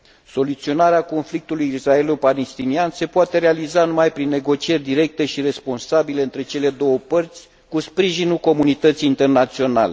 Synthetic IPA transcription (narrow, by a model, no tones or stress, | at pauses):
so̞lut̪sio̞naɾeako̞nflik̚t̪ulujisrae̞lupalest̪inianse̞poat̪e̞ɾe̞alizanumajpɾinːe̞ɡo̞t͡ʃie̞rʲd̪iɾe̞k̚t̪e̞ʃiɾe̞spo̞nsabile̞ɨnt̪ɾe̞t͡ʃe̞le̞d̪o̞wəpərt̪sʲ | kuspɾiʒinulko̞munit̪ət̪siːnt̪e̞rnat̪sio̞nale̞